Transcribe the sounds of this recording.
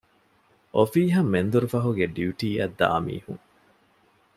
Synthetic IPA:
ʔofiːɦɐmːend̪uɾufɐɦuɡeɖiuʈiːɐd̪ːa̰ːmḭːhuŋ

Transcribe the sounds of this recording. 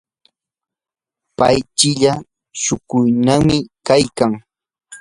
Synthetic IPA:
pajt͡ʃɪʎa | ʃʊkʊjnamɪkajkaŋ

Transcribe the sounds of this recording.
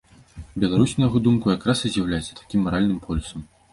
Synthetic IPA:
bʲɛlˠaɾusʲnɐjaɣɔd̪umkujakɾasɨzʲjawlʲajɛt̪sʲːɐ̥t̪ḁkʲimːɐɾalʲnɨmpʰɔlʲusɐm

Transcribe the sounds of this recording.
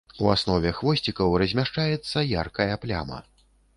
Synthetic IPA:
uasnɔvʲɛxvɔsʲt͡sʲikɐwrɐzʲmʲaʂt͡ʂajɛt̪sːɐja̰rkɐjɐplʲa̰mɐ̰

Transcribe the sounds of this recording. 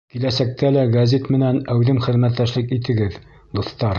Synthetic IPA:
kilæsæk̚t̪ælæɡɐzʲit̪mɘ̆nænæwðɘmχɘ̆ðmæt̪ːæʃlɘkit̪ɘ̆ɡɘð | d̪oθt̪ɑɾ

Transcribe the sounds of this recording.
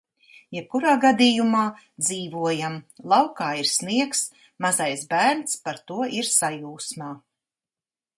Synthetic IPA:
jɛp̚kuɾaːɡad̪ijumaː | d̪ziːvuɔjamlˠɑwkaːiɾsniɛks | mazajsbæːɾnspaɾt̪uɔʔiɾsajuːsmaː

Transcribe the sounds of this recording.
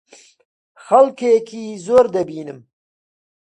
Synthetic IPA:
xɐlkekʰiːzoːɾd̪ɐbiːnɨm

